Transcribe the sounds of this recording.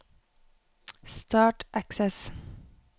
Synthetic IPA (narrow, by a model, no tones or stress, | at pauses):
st̪ɑːʈʔæksɛs